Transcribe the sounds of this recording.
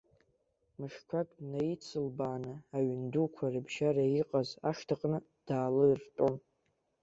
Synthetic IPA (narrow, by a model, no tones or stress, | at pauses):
mɨʂkʷʰakʼdnajit͡sʰɨlbaːnɨaɥndukʷʰarɨbʒaraiqʼazaʂtʰaqʼnɨ | d̥aːlɨrtʼon